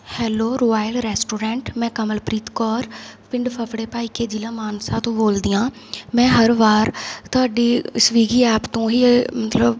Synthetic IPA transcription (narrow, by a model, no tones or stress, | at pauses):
hɛːloːɾoːaːjlɾɛːsʈoːɾɛ̃ːɳʈmɛ̃ːkəməlpɾiːt̪kɔːɾpɪ̃ɳɖpʰəpʰɽeːpaːiːkeːd͡ʒiːlãːmaːnsaːt̪õːboːld̪iːãː | mɛ̃ːɦəɾʋaːɾt̪ʊɦaːɖiːsʋiːɡiːɛːpt̪õːɦiːmət̪ləb